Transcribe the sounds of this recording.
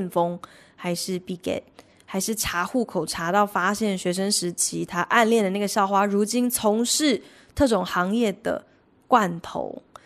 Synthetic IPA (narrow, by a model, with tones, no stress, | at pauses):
nfo˦ŋ | xa˧˥ɪʂɻ̩˥˧pi˥˩kɛ̰˥˩t | xa˧˥ɪʂɻ̩˥˩ʈ͡ʂʰa˧˥xu˥˩kʰo˨˩ʊʈ͡ʂʰa˧˥t̪ɑ˥˩ʊfa˥ɕjɛ˥˩nɕɥɛ˧˥ʂ̬ə˥nʂɻ̩˧˥t͡ɕʰi˧˥˦t̪ʰa˥ʔa˥˧nljɛ˥˩nd̪ə˩na˥˩ɡə˩ɕjɑ˥˩ʊxwa˥ɻu˧˥t͡ɕi˥nt͡sʰʊ˧˥ŋʂɻ̩˥˧ | t̪ʰɤ˥˩ʈ͡ʂʊ˨˩ŋxɑ˧˥ŋjɛ˥˩d̪ə̰˩ | kwa˥˨nt̪ʰo̰˧˦ʊ